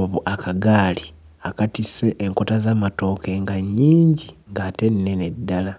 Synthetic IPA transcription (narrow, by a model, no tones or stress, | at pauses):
βuʔakaɡaːli | akatise̞ʔːŋko̞tazaːmato̞ːke̞ŋɡaɲːiːɲɟiŋɡaːte̞nine̞nedːala